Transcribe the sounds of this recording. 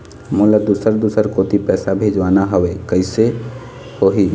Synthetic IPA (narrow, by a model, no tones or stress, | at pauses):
molad̪usəɾd̪usəɾkot̪ipɛːsabʱed͡ʒʋaːnaɦəʋekəɪse | hoɦi